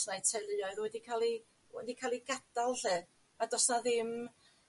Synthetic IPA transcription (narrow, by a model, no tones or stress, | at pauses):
snajtʰɛlˠɨaɨðwɛdikʰaːlˠi | wɛ̰dikʰaːlˠiɡad̥alˠɬɨ | adɔsnaðɪm